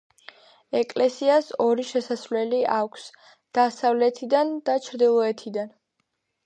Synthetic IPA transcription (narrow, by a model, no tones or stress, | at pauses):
ɛkʼlɛsiasɔɾiʃɛsasvlɛliʔakʰs | d̪̥asavlɛt̪ʰid̪and̪at͡ʃʰɾd̪ilˠɔɛt̪ʰid̪an